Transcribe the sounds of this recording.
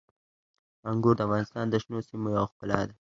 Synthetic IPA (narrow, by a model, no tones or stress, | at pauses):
aŋɡuɾd̪əafɣɑnɪst̪ɑnd̪əʃnosimojawxpəlɑ̰d̪a